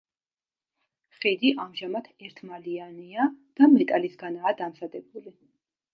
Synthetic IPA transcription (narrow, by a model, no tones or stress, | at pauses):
χid̪iʔamʒamat̪ʰɛɾt̪ʰmalianiad̪̥amɛt̪ʼalisɡanaːd̪amzad̪ɛbuli